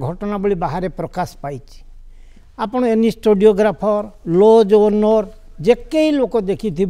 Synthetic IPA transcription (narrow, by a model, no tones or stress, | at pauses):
ɡʱɔʈɔnabeɭibaɦaɾepɾɔkaspajt͡ʃʰi̥ | apɔɽ̃ɔenisʈoɖioɡɾapʰɔɾlod͡ʒonɔɾ | d͡ʒekeilokɔd̪ekʰit̪ʰib